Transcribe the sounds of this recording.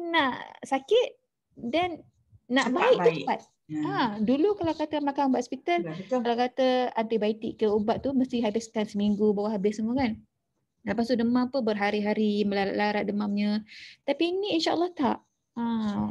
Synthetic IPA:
naʔsakɪt̪̚ | danː | aʔbaik̪̚uəpat̪̚ | adulukalawkat̪əmakanubaʔ̪spit̪əlkalawkat̪əant̪ibait̪iʔkːəubaʔ̪̚t̪uməst̪iɦabɪskansəmiŋɡubawaɦabɪsəmukan | ləpast̪uʔdəmãpəbərɦaɾiɦaɾiməlalaɾaʔ̚dəmamɲə̃t̪apiniːnʃaʔəlːɑht̪aʔ | a

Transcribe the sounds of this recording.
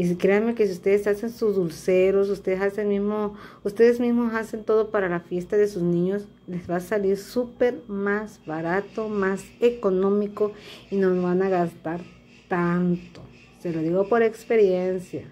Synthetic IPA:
iskɾeame̞kesiust̪eðesasensuzðulseɾosust̪eðesasenmismoust̪eðezmismosase̞nt̪o̞ðopaɾalafje̞st̪aðesusnĩɲos | lezβasaliɾsupeɾmazβaɾat̪omasekonõ̞mikoinooβanaɣast̪aɾ | t̪ant̪o | seloðiɣopo̞ɾe̞kspe̞ɾjensja

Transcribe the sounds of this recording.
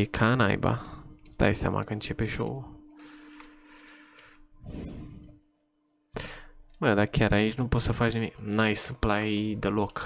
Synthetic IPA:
ikʰana̰jba̰st̪a̰jsa̰mʔa̰kɨ̃nt͡ʃepeʃo̰w | bəd̪akʰaɾait͡ʃnũpot̪səfat͡ʃnimiknajsɨplajd̪əlok

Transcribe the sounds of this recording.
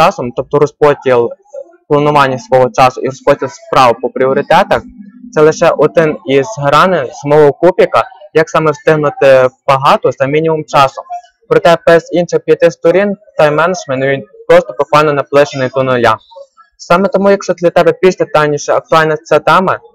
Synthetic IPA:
t͡ʃɑsɔmt̪ɔp̚t̪ɔɾɔspɔtʲilˠ | plˠɐnʊʋɑnʲːɐsʋɔɦɔt͡ʃɑsʊʔiɾɔspɔtʲilˠspɾɑʋpɔpɾʲiɔɾɪt̪ɛt̪ɐxt̪sɛlˠɪʃɛʔɔd̪ɪnizɦɾɑnɪnsmɔɦɔkupʲikɐjɐksɑmɛwst̪ɪɦnʊt̪ɪb̥ɐɦɑt̪ɔzɐmʲinʲimʊmt͡ʃɑsʊ | pɾɔt̪ɛbɛzinʃɪxpʲjɐt̪ɪst̪ɔɾʲint̪ɐjmɛnɐd͡ʒmɛnt̪ʋʲinpɾɔst̪ɔbʊkʋɑlʲnɔnɐplˠɪt͡ʃenɪjt̪ʊnʊlʲa | sɑmɛt̪ɔmujɐkʃɔd̪lʲɐt̪ɛbɛpʲiʃt̪ɛt̪ɑjnʲiʃɛɐk̚t̪ʊɑlʲnɐt̪sɛt̪ɛmɐ

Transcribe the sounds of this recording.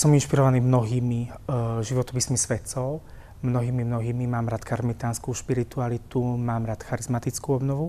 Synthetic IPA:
sɔminʃpiɾɔʋaniːmnɔɦiːmiʒiʋɔt̪ɔpiːsmisʋɛt̪sɔʊ | mnɔɦiːmimnɔɦiːmimaːmɾaːt̪kaɾmit̪aːnskuʃpiɾit̪ualit̪umaːmɾaːt̪xaɾizmat̪it͡skuɔbnɔʋu

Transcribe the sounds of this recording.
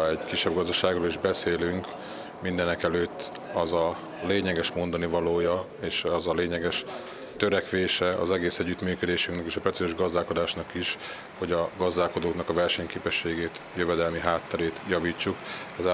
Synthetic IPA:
ɛɟkiʃːɛbɡɒzd̪ɒʃaːɡroːliʒbɛseːlyŋk | mind̪ɛnɛkɛløːt̪ː | ɒzɒ | leːɲɛɡɛʃmo̞nd̪ɒnivɒloːjɒ | eːʃɒzɒleːɲɛɡɛʃ | t̪ø̞ɾɛkʋeːʃɛɒ̰zɛɡeːsɛɟːyt̪myːkød̪eːʃyŋknɛkiːʃɒpɾɛt̪sizoːʒɡɒzd̪aːlko̞d̪aːʃnɒkiʃ | ho̞ɟɒɡɒzd̪aːlko̞d̪oːknɒkɒvɛrʃɛɲkeːpɛʃːeːɡeːt̪jøvɛd̪ɛlmiɦaːt̪ːɛɾeːt̪jɒviːt͡ʃːukɛza

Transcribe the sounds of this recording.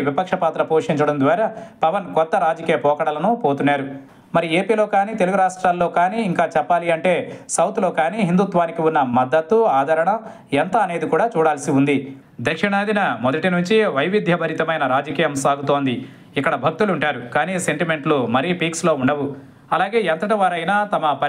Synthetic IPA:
ʋipɐkʂɐpaːt̪ɾɐpoːʂiɲt͡ʃɐɽɐnd̪ʋaːɾɐpɐʋɐnkɔt̪ːɐɾaːd͡ʒɐkiːjɐpɔːkɐɽɐlɐnupoːt̪unːaːɾu | mɐɾie̞ːpiːlo̞ːkaːniːt̪e̞luɡuɾaːʂʈɾaːlːo̞ːkaːniːiŋkaːt͡ʃɛpːaːliɐɳʈe̞ːsɐwt̪lo̞ːkaːniːɦind̪ut̪ʋaːnikiunːɐmɐd̪ːɐt̪ːuaːd̪ʱɐɾɐɳɐ | ɛnt̪ɐːne̞ːd̪ikuːɽaːt͡ʃuːɽaːlɐsiund̪i | d̪ɐkʂɐnaːd̪inɐmɔd̪ɐʈinuɲt͡ʃiʋɐjʋid̪ʱjɐbʱɐɾit̪ɐmɐjnɐɾaːd͡ʒɐkiːjɐmsaːɡut̪o̞ːnd̪i | ikːɐɽɐbʱɐk̚t̪uluɳʈaːɾukaːniːse̞ɳʈime̞ɳʈlumɐɾiːpiːkslo̞ːuɳɖɐʋu | ɐlaːɡe̞ːɐnt̪ɐʈiʋaːɾɐjnaːt̪ɐmɐpɐ

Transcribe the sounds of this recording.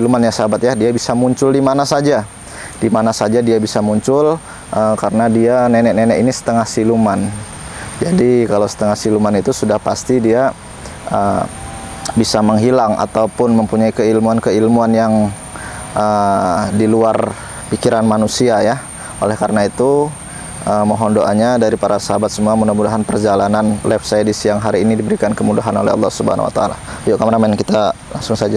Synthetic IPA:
ilumanjasabat̪jadiabisamuɲt͡ʃʊldimanasad͡ʒa | dimanasad͡ʒadiabisamuɲt͡ʃʊl | ʔəkaɾənadianɛnɛk̚nɛnɛkinisə̥t̪əŋahsiluman | d͡ʒadikalasə̥t̪əŋahsilumanit̪usudahpast̪idia | ə | bisaməŋɦilaŋa̰t̪aupʊnməmpuɲaikəilmuankəilmuanjaŋ | ʔədiluar | pikiɾanmanusiaja | ʔolɛhkaɾənait̪u | əmoɦɔndoʔaɲadaɾipaɾasəɦabat̪̚səmuamudamudaɦanpərd͡ʒalananlɛfsajdisjaŋɦaɾiːnidibəɾikankəmudaɦano̰lɛ̰ɦɑ̰lˠːɑ̰hsubəha̰na̰wa̰t̪aa̰la̰joʔkamaɾamɛnkit̪ala̰ŋsʊŋsad͡ʒa

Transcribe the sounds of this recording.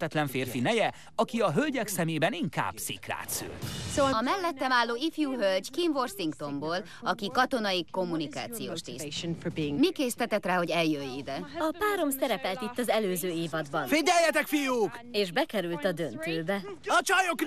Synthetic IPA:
t̪ɛt̪lɛɱfeːrfinɛjɛ | ɒkiɒɦølɟɛksɛmeːbɛniŋka̰ːb̥sḭkra̰ːt̪sy̰lsoːɒmɛlːɛt̪ːɛmaːlːoːifjuːɦølɟkimvo̞rsiŋkt̪o̞mboːl | ɒkikɒt̪o̞nɒiko̞mːunika̰ːt̪sijo̰ːʃt̪iːsʃnfɔbiɪŋmikeːst̪ɛt̪ɛt̪raːho̞ɟɛljøjːid̪ɛɒpaːɾo̞msɛɾɛpɛlt̪it̪ːɒzɛløːzøːiːvɒd̪bɒnfeːɟɛjːɛt̪ɛkfijuːkeːʒbɛkɛɾylt̪ɒd̪ønt̪øːbɛɒt͡ʃɒjok

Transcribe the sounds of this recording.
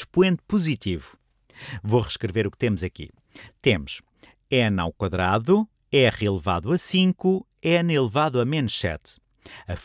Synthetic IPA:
ʃpwẽnt̪̚puzit̪ivu | voʁɨʃkɾɨveɾukt̪emuzɐkḭ | t̪emuʃ | ɛna̰wkwɐðɾaðu | ɛʁiilˠɨva̰ðuɐsĩŋku | ɛnilˠɨvaðuɐmẽnʃɛ̰t̪ | ɐf

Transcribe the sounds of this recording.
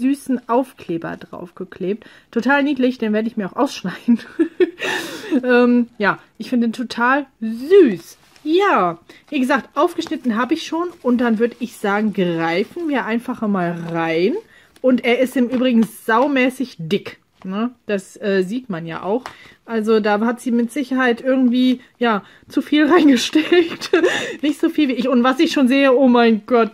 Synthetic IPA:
zyːsn̩ʔaʊfkleːbɐ̰dʁa̰ʊfɡ̥əkl̥eːp̚t | tʰːotʰaːlniːdlɪçd̥eːnveːɐdəɪçmiːɐaʊxʔaʊsʃnaɪdn̩ | ʔɛːmjaːʔɪçfɪndədeːntʰotʰaːlzyːs | jaːviːɡəzaːk̚tʔaʊfɡ̥əʃnɪtn̩ɦaːbəɪçʃoːnʔʊnt̚d̥anvʏɐdəɪçz̥aːɡŋ̩ɡʁaɪfn̩miːɐʔaɪnfaχɐmaːlʁaɪn | ʔʊnteːɐʔɪstɪmʔyːbʁɪɡŋ̩z̥aʊmɛːsɪçd̥ɪk | nəd̥asʔɛːziːtmanja̰ːʔa̰ʊxʔalzodaːhatz̥iːmɪtz̥ɪçɐhaɪtʔɪɐɡŋ̩tv̥iː | jaː | t͡sufiːlʁaɪnɡəʃtɛlktnɪçtz̥oːfiːlviːɪçʊntv̥asɪçʃoːnzeːəʔoːmaɪnɡ̥ɔt̚

